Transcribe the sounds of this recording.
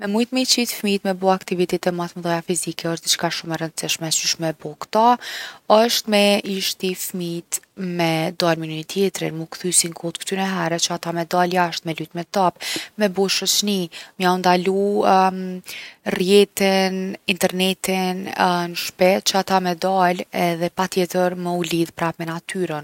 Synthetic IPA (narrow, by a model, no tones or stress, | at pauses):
mɛmujt̪mit͡ʃit̪fmit̪mɛbuakt̪ivit̪ɛt̪ɛmaθmðɔjafizikɛɔʃt̪d̪it͡ʃkaʃumɛɾənd̪siʃmɛsyʃmɛbɔkt̪aəʃt̪mɛiʃt̪ifmit̪ | mɛd̪almininit̪jɛt̪ɾḭnmukθysinkʰɔt̪kt̪ynɛɦɛɾɛt͡ʃəat̪amɛd̪aljaəʃt̪mɛlyt̪mɛt̪apmɛbuʃət͡ʃniməjaund̪alu | rjɛt̪inint̪ɛɾnɛt̪innəʃpɛt͡ʃəat̪amɛd̪alɛðɛpat̪jɛt̪əɾməuliðpɾapmɛnat̪yɾən